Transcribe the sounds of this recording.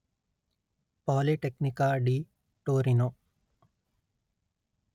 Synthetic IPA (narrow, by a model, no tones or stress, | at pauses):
pɔːliʈeknikaːɖiː | ʈoːɾinoː